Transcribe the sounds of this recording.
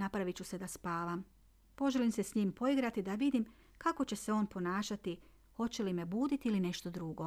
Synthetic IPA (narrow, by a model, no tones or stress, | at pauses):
napɾaʋit͡ɕuse̞d̪aspaːʋam | po̞ʒelimse̞sɲiːmpo̞iɡɾat̪id̪aʋid̪im | kako̞t͡ɕe̞seo̞ːnpo̞naːʃat̪i | xo̞t͡ɕe̞lime̞buːd̪it̪iiline̞ʃt̪o̞d̪ɾuɡo̞